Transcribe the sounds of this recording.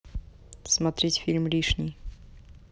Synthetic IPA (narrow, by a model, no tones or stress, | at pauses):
smɐt̪ɾʲitʲfʲilʲmlʲiʂnʲɪj